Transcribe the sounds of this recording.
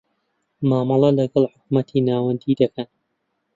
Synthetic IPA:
maːmɑlˠɑlɐɡɐlˠħʊk̚mɐt̪ʰiːnaːwɐnd̪iːd̪ɐkʰɐn

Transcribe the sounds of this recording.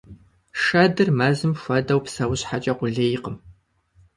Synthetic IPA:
ʂɐdɨrmɐːzɨmxʷɐdɐwpsɐwɕħat͡ʃʼɐqʷʊɮeːjɪqəm

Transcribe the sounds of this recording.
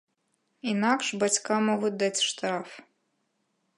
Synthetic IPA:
inakʂbat͡sʲkamɔɣut͡sʲd̪at͡sʲʂt̪ɾaf

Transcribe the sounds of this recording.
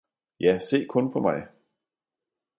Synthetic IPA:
jæse̝̰ːkʰɔ̽npʰɒ̽mɑ̈ɪ

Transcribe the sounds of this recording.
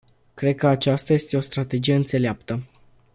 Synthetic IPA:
kɾe̞d̪̚kəat͡ʃast̪aje̞st̪e̞o̞st̪ɾat̪e̞d͡ʒije̞ɨnt̪se̞leapt̪ə

